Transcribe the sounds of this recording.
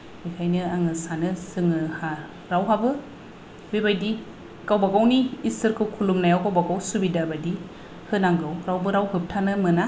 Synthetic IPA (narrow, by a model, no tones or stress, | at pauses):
bikʰajnɯaŋɯsanɯsɯŋɯha | ɾawɦabɯ | bebajdi | kawbaɡawniːsɯɾkʰɯkʰulumnajawkawbaɡawsubidabadi | hɯnaŋɡɯwɾawbɯɾawɦɯp̚tʰanɯmɯna